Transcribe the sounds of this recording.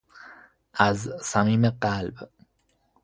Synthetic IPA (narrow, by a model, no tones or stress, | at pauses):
ʔæzsæmiːmeɢælb